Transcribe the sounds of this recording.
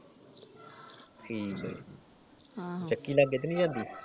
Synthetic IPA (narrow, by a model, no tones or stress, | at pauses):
kʰiːl | t͡ʃəkːiːlaːɡːeːt̪̬enĩːd͡ʒãːnd̪iː